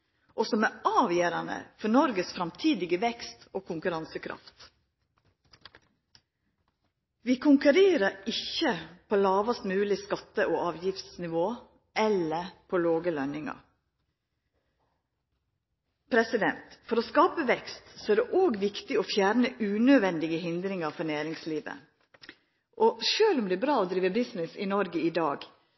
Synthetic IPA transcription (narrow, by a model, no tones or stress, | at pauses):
ʔosɔmæːɑːʋjøːɾɑnə̰fɔnɔɾɡəsfɾɑmt̪ʰiːd̪ɪɡəʋɛkst̪oːkʰʊŋkʉɾɑnsəkʰɾɑ̰ft̪ | ʋiːkʰʊŋkʉɾeːɾəɾɪçəpʰoːlɑːʋɑst̪mʉːlɪskɑt̪ːəʔoːʔɑːʋjɪft̪snɪʋoː | ɛləpʰoloːɡəlœnɪŋɑ̰ɾ | pʰɾɛsɪd̪ɛnt̪fɔɾoːskɑːpəʋɛkst̪sɔæːɖ̪ɛʔoːɡʋɪkt̪ɪoːfjæːɾnəʔʉːnœʋɛnd̪ɪɡəhɪnd̪ɾɪŋɑɾfɔɾnæːɾɪŋsliːʋə̰ | ʔoːʃøːlʊmd̪ɛːbɾɑːoːd̪ɾiːʋəbɪsnɪsiːnɔɾɡəiːd̪ɑːɡ